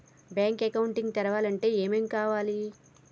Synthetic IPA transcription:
bjaːŋkekɐwuɳʈiŋɡt̪ɛɾɐʋaːlɐɳʈe̞ːeːmeːmkaːʋaːli

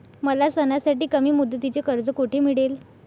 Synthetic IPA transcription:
məlasənasaʈiːkəmiːmud̪ʱːət̪it͡sekəɾd͡zəkuʈʰemiɽel

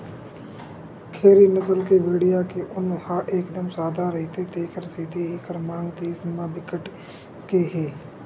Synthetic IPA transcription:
kʰeːɾiːnəsəlkebeːɽɪjaːkeʔʊnhãːʔeːkd̪əmsaːd̪aːɾəɦit̪et̪eːkəɾsiːd̪ʱiɦikəɾmãːŋɡt̪esəmãːbɪkəʈ | keːɦeː

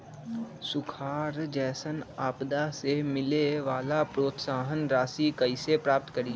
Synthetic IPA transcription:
sʊkʰaːɾd͡ʒɛːsənaːpd̪asemɪleʋaːlapɾoːt̪saːɦənɾaːsikəɪsepɾaːp̚t̪kəɾi

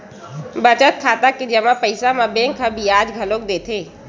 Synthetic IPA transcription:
bət͡ʃət̪̚kʰaːt̪akid͡ʒɐmãpəɪsamãbẽːŋkʰːãbʱiaːd͡ʒɡʱəloːk̚d̪eːt̪ʰeː

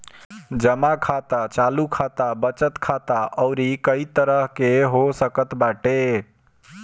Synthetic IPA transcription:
d͡ʒəmakʰat̪at͡ʃalukʰat̪abət͡ʃət̪kʰat̪aʔɔʊɾikəit̪əɾəɦkeɦosəkət̪baʈe

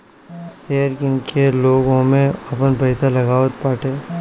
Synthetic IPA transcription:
seːɾkɪ̃ŋkʰeloːɡõmẽɐpənpɐɪsalɐɡaːʋət̪paːʈʰeː

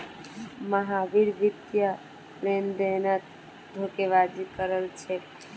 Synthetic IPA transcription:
məɦabiɾbit̪jə | lend̪enət̪ | d̪ʱokeʋad͡ʒ̪ikəɾəlt͡ʃʰɛ

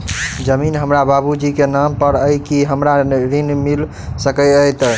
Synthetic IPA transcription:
d͡ʒəminɦəmɾababud͡ʒikenampəɾəjkiɦəmɾaɾinmil | səkəəjt̪

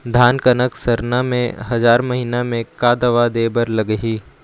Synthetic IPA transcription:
d̪ʱaːnkənəksɐɾnamḛ̃ɦɐzaːɾmɐɦinamẽkaːd̪əʋad̪eːbəɾlɐɡəɦiː

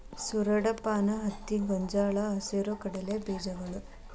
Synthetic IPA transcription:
suɾɐɽɐpaːnɐɦɐt̪ːiɡɔɲd͡ʒaːɭɐɐseɾukɐɽɐlebeːd͡ʒɐɡɐɭu

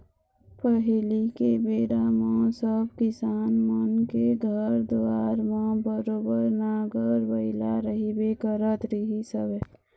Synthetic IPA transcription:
pəɦlikebeːɾamõsəbkɪsaːnmənkeɡʱəɾd̪waːɾmãbəɾoːbəɾnaɡʱəɾbəɪlaɾəɦibekəɾət̪ɾəɦisəbe

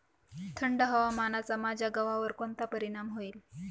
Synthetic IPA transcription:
t̪ʰəɳɖəɦəʋamanat͡samad͡ʑʱjaɡəʋaʋəɾkont̪apəɾiɽ̃amɦoiːl

